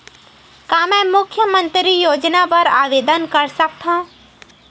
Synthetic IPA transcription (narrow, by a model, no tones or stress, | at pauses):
kaːmɛ̃ːmʊkʰjəmə̃nt̪ɾijoːd͡ʒnapɐɾaːʋeːd̪ənkəɾsək̚t̪ʰã